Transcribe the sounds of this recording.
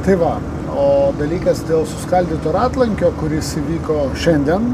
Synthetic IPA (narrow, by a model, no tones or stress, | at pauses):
t̪ɐɪʋɐ | oːd̪ɐlʲiːkɐsd̪ʲeːlˠsʊ̥skɐlʲd̪ʲiːt̪oːɾɑːt̪lˠɐŋʲkʲoːkʊɾʲɪsiʋʲiːkoːʃʲɛnʲd̪ʲiɛn